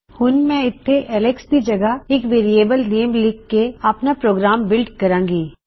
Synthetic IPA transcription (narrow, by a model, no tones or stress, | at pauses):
hʊnmɛ̃ɪt̪ʰːeʔɛlekskid͡ʒɐɡəɪkʋeːɾieːbəlneːmliɡkːeɐpnapɾoːɡɾaːmbɪlɖkɐɾãːŋɡiː